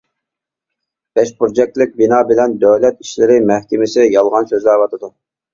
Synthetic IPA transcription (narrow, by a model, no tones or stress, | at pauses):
b̥ɛʃbuɾd͡ʒɛk̚t̪lɪk̚ʲbinɑːbɪlɛnd̪øwlɛt̪iʃlɪɾɪmɛhkʲɪmɪsɪjɑlˠʁɑnsøzd̪ɛːvɑt̪ʰɨd̪u